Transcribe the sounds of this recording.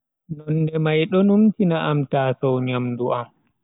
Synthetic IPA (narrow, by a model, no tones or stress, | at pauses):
nɔnːdɛmajɗɔnumtinaʔamtaːsɔwɲamduʔam